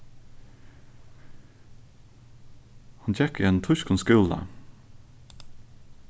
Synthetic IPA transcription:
hɑnçɛkiːeːnt̪ʰʊʃkʊnskʉːlə̰

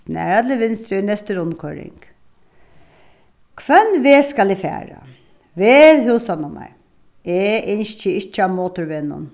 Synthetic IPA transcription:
snæ̰ːɾat̪ʰlɪʋɪnst̪ɾɪnɛst̪əɾʊnːkʰɔɾɪ̰ŋk | kʰʋœnʋeːskalɪfæ̰ːɾa̰ | ʋeːðɦʉːsanʊma̰ɹ | ɛʔɪnʃt͡ʃːəɪt͡ʃːamoːt̪ʊɾʋeːnʊ̰n

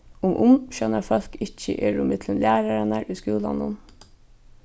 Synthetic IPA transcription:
ʊmʔʊmʃœnəɾfɔlkɪc͡çə̰ʔeːɹʊmət̪ʰlənlæːɾɑənæɾʔiːskʉːlɑ̰nʊn

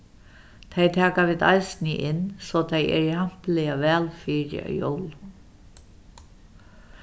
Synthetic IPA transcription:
t̪ʰejt̪ʰaːkaʋiːðd̪a̰jsnɪʔɪnsɔːt̪ʰejɛ̰ɹiham̥plɪjaʋɛːlfiːɾɪ̰ɔ̰jo̰wl

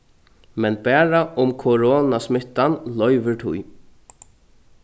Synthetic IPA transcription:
mɛnbæːɾaʔʊmkʰoɾoːnasmɪht̪ːanlœʏʋɪɾt̪ʰʊ̰j

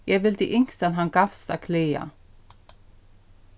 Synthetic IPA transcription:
jɛʋɪld̪ḭʔʏŋst̪anɦanɡafst̪akʰleːa̰

